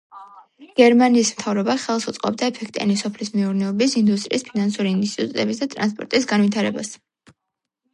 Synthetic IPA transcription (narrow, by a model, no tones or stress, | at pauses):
ɡ̥ɛɾmaniːsmt̪ʰavɾɔbaχɛlˠsut̪sʼqʼɔ̰b̚d̪aɛpʰɛkʰt̪ʼiɛ̰nisɔpʰlismɛuɾnɛɔbisind̪ust̪ʼɾḭːspʰinansuɾiːnst̪ʰʼit̪ʼut̪ʼɛbisd̪at̪ʼɾa̰nspʼɔ̰ɾt̪ʼisɡanvit̪ʰaɾɛbas